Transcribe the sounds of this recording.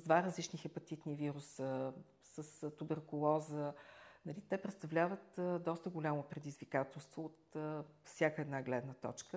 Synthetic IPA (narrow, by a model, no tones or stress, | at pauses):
d̪vaɾəzlit͡ʃnixɛpɐt̪it̪niviɾusə | səst̪ubɛɾkʊlˠɔzənɐlit̪ɛpɾɛt̪st̪ɐvlʲavət̪d̪ɔst̪əɡʊlʲamopɾɛd̪izvikat̪ɛlˠst̪voot̪əfsʲjakəɛd̪naɡlɛd̪nət̪ɔ̰t͡ʃkə